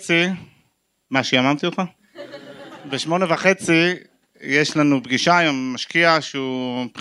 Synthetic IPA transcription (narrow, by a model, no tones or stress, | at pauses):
t͡si | maʃeamamt̪iot̪χa | beʃmo̞nevaχe̞t͡si | jeʃlanubɡiʃajommaʃkiaʃeup